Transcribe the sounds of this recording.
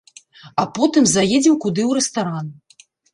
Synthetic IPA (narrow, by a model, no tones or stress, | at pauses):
apɔt̪ɨmzajed͡zʲɛmkud̪ɨwɾɛst̪aɾan